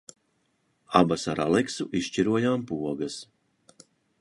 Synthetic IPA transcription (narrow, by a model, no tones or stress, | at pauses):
abasaɾa̰lˠɛksuʔiʃt͡ʃiɾuɔjaːmpuɔɡɐs